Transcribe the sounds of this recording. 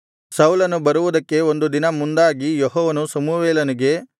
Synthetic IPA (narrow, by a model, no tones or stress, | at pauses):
sɐwlɐnubɐɾuʋud̪ɐkːe̞o̞nd̪ud̪inɐmund̪aːɡijɔɦɔːʋɐnusɐmuʋeːlɐniɡe̞